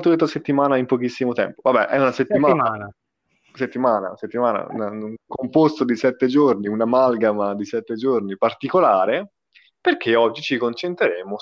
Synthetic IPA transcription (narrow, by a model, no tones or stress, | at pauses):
t̪olet̪ːaset̪ːimaːnaimpɔk̟isːimot̪ɛ̰mpovabːɛʔɛunaset̪ːimamaːna | set̪ːimaːna̰set̪ːimaːna̰ṵnakompost̪od̪isɛt̪ːed͡ʒorniunamalɡamad̪isɛt̪ːed͡ʒornipart̪ikolaːɾe | perk̟eɔd͡ʒːit͡ʃikont͡ʃent̪ɾeɾeːmo